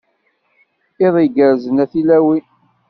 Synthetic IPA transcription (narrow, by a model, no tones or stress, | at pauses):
ɪðˤiɡəɾzənæθilæwi